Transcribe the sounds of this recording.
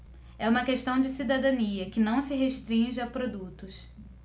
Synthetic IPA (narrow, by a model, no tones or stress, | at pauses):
ɛũmɐkeʃt̪ɐ̃w̃d͡ʒɪsid̪ad̪ɐ̃niɐkɪnɐ̃w̃sɪɦeʃt̪ɾĩʒɪapɾod̪ut̪ʊs